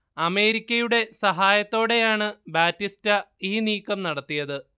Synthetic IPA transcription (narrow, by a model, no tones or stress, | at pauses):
ɐme̞ːɾikʲːɐjuɽe̞sɐɦaːjɐt̪ːo̞ːɽe̞jaːɳɨbaːtːistɐiːniːkːɐmnɐɽɐt̪ːijɐðɨ